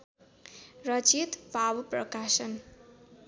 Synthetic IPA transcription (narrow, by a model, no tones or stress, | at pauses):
rʌt͡sit̪bʱabprʌkasʌn